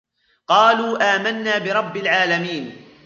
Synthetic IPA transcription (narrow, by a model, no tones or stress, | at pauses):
qɑːluːʔaːmanːaːbɪɾˤɑbːalʕaːlamiːn